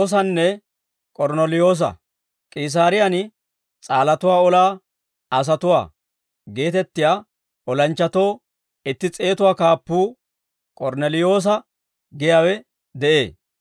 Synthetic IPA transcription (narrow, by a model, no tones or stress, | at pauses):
s̬ɐnːɛ | kʼɔɾnɛlɪjo̞ːs̬ɐ̰ | kʼɪs̬aːɾɪjanɪ | t͡sʼaːlɐt̪ʊwaːɔlaː | ɐs̬ɐt̪ʊwa̰ː | ɡe̞ːt̪ɛt̪ːɪjaː | ʔɔlɐnt͡ʃːɐt̪o̞ː | ɪt̪ːɪt͡sʼe̞ːt̪ʊwaːkaːpːuː | kʼɔɾnɛlɪjo̞ːs̬ɐ | ɡɪjawɛ | d̪ɛʔḛː